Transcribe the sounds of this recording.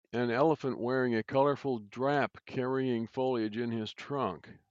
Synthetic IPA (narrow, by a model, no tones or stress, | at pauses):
ɨ̃nɛlˠəfə̃nʔwɛɹɪ̃ŋɨkʰʌlˠə˞fl̩ˠdɹæpkʰɛɹiɪ̃ŋfoʊlˠjɨd͡ʒɨ̃nɪz̥tʰɹ̥ʌ̃ŋk